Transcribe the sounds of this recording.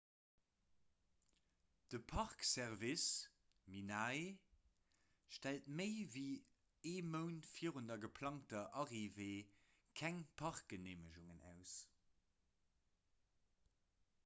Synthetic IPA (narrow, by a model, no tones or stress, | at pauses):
d̥əpʰɑʁksɛʁvis | minaːe | ʃtæltməɪviː | eːməʊntfiəʁundɐɡəpʰlɑŋtɐʔɑʁiveː | kʰæŋpʰɑʁk̚ɡ̥əneːməʃuŋənʔæ̰ʊs